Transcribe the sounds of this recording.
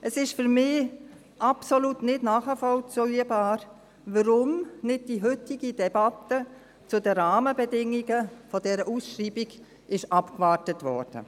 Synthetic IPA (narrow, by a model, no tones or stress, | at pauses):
ʔəsɪʃfʏɾmɪː | ʔapsolutnɪtnaːχəfɔlt͡sɔʏəbaːɾ | ʋəɾʊmnɪd̚d̥iɦʏtɪɡidɛbatə | t͡sʊdəɾaːməbɛdɪŋːiɡəfɔdɛɾəʔusʃriːbiɡ | ʔɪʃɑpkvaːɾtətʋɔ̰ɾd̥ə̰